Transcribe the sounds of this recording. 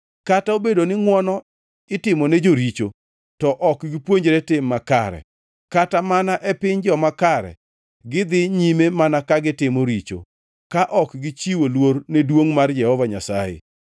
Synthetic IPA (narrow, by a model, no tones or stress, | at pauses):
kataobedonɪŋwɔnɔ | ɪtɪmɔned͡ʒoɾit͡ʃo | tɔʔɔkɡɪpwoɲd͡ʒeɾetɪmːaka̰ɾɛ̰ | katamanaʔɛpɪɲd͡ʒɔmakaɾɛ̰ | ɡɪd̪ɪɲimemanakaɡɪtɪmoɾit͡ʃo̰ | kaʔɔkɡɪt͡ʃiwolwornedwoŋmard͡ʒɛhɔvaɲa̰sajḛ